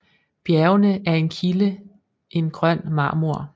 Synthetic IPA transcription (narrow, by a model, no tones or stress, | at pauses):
b̥jæːɐʊnəʔæɐe̝nkʰilə | ʔe̝nɡ̥ʁɶn̰mɑ̈ːmuɐ̰